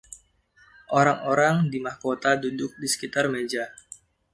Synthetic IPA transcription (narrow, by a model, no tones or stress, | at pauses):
ʔoɾaŋoɾaŋdimahkot̪adudʊk̚disə̥kit̪armed͡ʒa